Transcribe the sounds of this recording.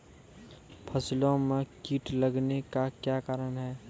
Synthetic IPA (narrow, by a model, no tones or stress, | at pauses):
pʰəsɪlõmẽkiːʈləɡnekakjaːkaːɾənɦɛː